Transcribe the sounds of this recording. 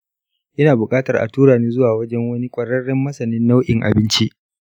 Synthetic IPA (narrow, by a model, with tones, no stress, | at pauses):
ʔɪ˦naː˨bʊ˨kʼaː˦tɐ˨rʔa̰˨tuː˦ɽaː˨niː˦zʊ˦waː˨wɐ˦d͡ʒɛ˦ŋwɐ˦ni˦kʷʼɐ˨ɽɐ˦ɽɪ˦mːɐ˦sɐ˨nɪ˦nːa˦wʔɪ˨ŋʔa̰˨bɪ˦nt͡ʃi˦ʔ